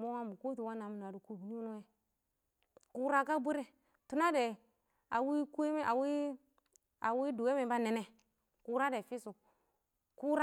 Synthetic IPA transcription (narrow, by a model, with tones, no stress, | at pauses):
mo˦wa˦mu˨ku˦tu˨wa˦na˨mu˨n˨a˨du˨ku˦bni˦no˦e˨ | ku˦ɾa˦ka˦bu˦ɾe˦ | tu˦na˦de˨ | a˨wi˦ku˦e˦me˦ʔa˨wi˦ | a˨wi˦du˨we˦me˨ba˦ne˨ne˨ | ku˦ɾa˦de˨fi˦su˨ | ku˦ɾa˦